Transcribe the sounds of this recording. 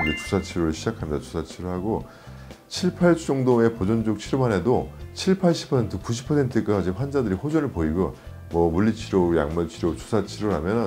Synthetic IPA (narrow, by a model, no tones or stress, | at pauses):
d͡ʑet͡ɕu̥sʰat͡ɕʰiɾoɾɯɭɕʰid͡ʑakʰamɲid̥̪at͡ɕu̥sʰat͡ɕʰiɾoɭhaɡo | t͡ɕʰiɭpʰaɭt͡ɕ͈oŋdoe̞pod͡ʑʌnd͡ʑok̚t͡ɕʰiɾomane̞dot͡ɕʰiɭpʰaɭɕʰi̥pʰʌsʰe̞ntʰɯkuɕʰi̥pʰʌsʰe̞ntʰɯk͈aid͡ʑeɸwand͡ʑadɯɾiɸod͡ʑʌnɯɭpoiɡjo | mwʌmuʎːit͡ɕʰiɾoja̰ŋmat͡ɕʰiɾjot͡ɕu̥sʰat͡ɕʰiɾoɭɦamjʌnɯ